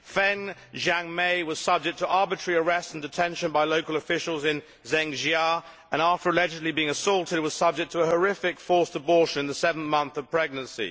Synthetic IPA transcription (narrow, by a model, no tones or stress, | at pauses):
fɛ̃n | ʒæ̃ŋmeɪwʌz̥sʌb̚d͡ʒɪk̚tʰəʔɑɹbɨt͡ʃɹ̥iə˞ɛstn̩dɨtʰɛ̃nʃə̃nbaɪloʊkəlˠəfɪʃəl̩ˠzɪ̃n | zɛ̃ŋʒɑ | ə̃næftə˞əlɛd͡ʒɨdˡlibiɪ̃ŋəsɔlˠtʰɪd̚wʌz̥sʌb̚d͡ʒɪk̚tʰəəɦə˞ɪfɪkfɔɹsəbɔˑɹʃə̃nɨ̃nðəsɛvn̩θmʌ̃nθəv̥pʰɹ̥ɛɡ̚nə̃nsḭ